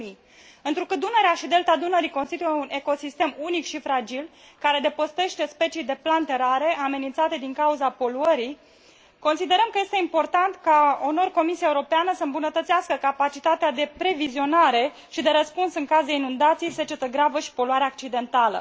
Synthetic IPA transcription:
i | ɨnt̪ɾukɨt̪̚d̪une̞ɾeaʃid̪e̞lt̪ad̪unəɾikonst̪it̪ujeune̞ko̞sist̪e̞munikʃifɾad͡ʒil | kaɾe̞d̪e̞post̪e̞ʃt̪e̞spe̞t͡ʃijd̪e̞plant̪e̞ɾaɾe̞ʔame̞nint̪sat̪e̞d̪iŋkauzapo̞luəɾij | ko̞nsid̪e̞ɾəmkəje̞st̪eimpo̞rt̪ant̪kaono̞rko̞misiaeuɾopeanəsəɨmbunət̪ət̪siaskəkapat͡ʃit̪at̪ead̪e̞pɾe̞vizio̞naɾe̞ | ʃid̪e̞ɾəspunsɨŋkazeinund̪at̪sijse̞t͡ʃet̪əɡɾavəʃi̥po̞luaɾeeak̚t͡ʃid̪e̞nt̪alə̰

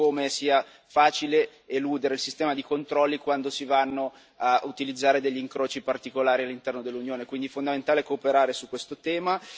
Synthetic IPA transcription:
omesiːa | faːt͡ʃile | eluːd̪eɾeilsist̪ɛːmad̪ikont̪ɾɔlːikwand̪osivanːo | aut̪ilid̪zːaːɾed̪eʎːiŋkɾoːt͡ʃipart̪ikolaːɾialːint̪ɛrnod̪elːunjoːnekwind̪ifond̪ament̪aːleɛkoːpeɾaːɾesukːwest̪ot̪ɛːma

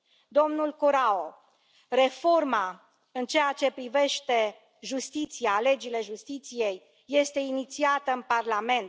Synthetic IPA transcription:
d̪o̞mnulkuɾao | re̞fo̞rma | ɨnt͡ʃe̞jat͡ʃe̞pɾive̞ʃt̪e̞ | ʒust̪it̪siale̞d͡ʒile̞ʒust̪it̪sije̞jː | e̞st̪e̞init̪siat̪əɨnparlame̞nt̪

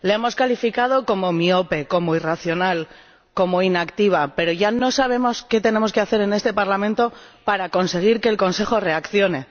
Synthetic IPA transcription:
leemo̞skalifikað̞o̞ko̞mo̞mio̞pe̞ko̞moiraθjo̞nal | ko̞mo̞inakt̪iβ̞ape̞ɾo̞ʝano̞saβ̞e̞mo̞ske̞t̪e̞ne̞mo̞ske̞aθe̞ɾene̞st̪e̞paɾlamẽnt̪o̞paɾako̞nse̞ɣ̞iɾke̞ːlko̞nse̞xo̞re̞akθjo̞ne̞

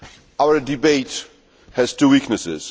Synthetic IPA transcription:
awə˞dɨbeɪt | hɛz̥tʰuwiknɨsɪ̰z̥

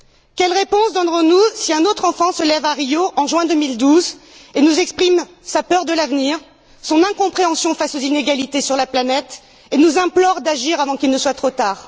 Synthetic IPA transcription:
kʲɛlʁepɔ̃sd̪ɑ̃d̪ʁɔ̃nusiɛ̃not̪χɑ̃fɑ̃səlɛvaʁijoʔɑ̃ʒɥɛ̃d̪ømild̪uzenuzɛkspχim | sapœʁd̪əlavniʁ | sɔ̃nɛ̃kɔ̃pχeɑ̃sjɔ̃fasozineɡalit̪esyʁlaplanɛt̪ | enuzɛ̃plɔʁd̪aʒiʁavɑ̃kʲilnəswat̪χot̪aːʁ

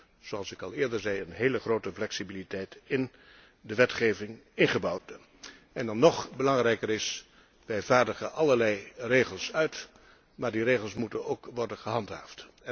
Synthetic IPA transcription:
z̥oɑlˠsɪkɑlˠɪːɹdəɹzɛjənɦeːləχroːtəflɛksibilitɛjtɪn | dəʋɛtχeːvɪŋɪnχəbɔwt | ɛndɑnːɔχbəlɑŋrɛjkərɪs | ʋɛjvaːɹdəχənʔɑlˠəɹlɛjreːχəlˠsœɥt | maːɹdireːχəlˠsmutənoːkʋɔɹdənχəɦɑntɦa̰ːft

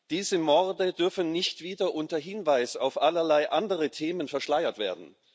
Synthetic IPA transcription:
d̥iːzəmɔɐdədʏɐfn̩nɪçtv̥iːdɐʔʊntɐɦɪnvaɪsa̰ʊfʔalɐlaɪʔandəʁətʰeːmənfɛɐʃlaɪɐtv̥ḛːɐdn̩

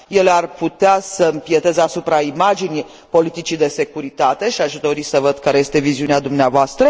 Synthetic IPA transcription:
je̞learput̪easəmpje̞t̪e̞zasupɾaimad͡ʒini | po̞lit̪it͡ʃid̪e̞se̞kuɾit̪at̪e̞ʃiaʃd̪o̞ɾisəvəd̪kaɾe̞je̞st̪e̞viziunead̪umneavoast̪ɾə

